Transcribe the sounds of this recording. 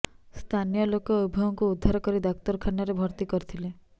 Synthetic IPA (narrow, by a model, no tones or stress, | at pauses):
st̪ʰanijɔlokɔːubʱɔɔŋkuud̪ʱːaɾɔkɔɾid̪ɔkt̪ɔɾkʰanɔɾebʱɔɾt̪ikɔɾt̪ʰile